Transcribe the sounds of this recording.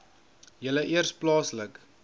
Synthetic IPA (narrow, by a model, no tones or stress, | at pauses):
jələʔiərsplɑːslək